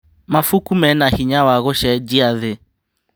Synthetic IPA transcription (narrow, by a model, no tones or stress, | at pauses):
mafukumɛnahiɲawaɣoʃɛd͡ʒiaðe